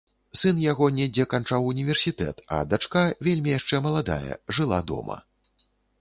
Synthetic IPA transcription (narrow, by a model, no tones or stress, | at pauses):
sɨnjaɣɔnʲɛd͡zʲɛkant͡ʂawunʲivʲɛrsʲit̪ɛ̰t̪ɐ̰d̪at͡ʂkavʲelʲmʲijaʂt͡ʂɛmɐlˠad̪a̰jɐ̰ʐɨlˠa̰d̪ɔ̰mɐ̰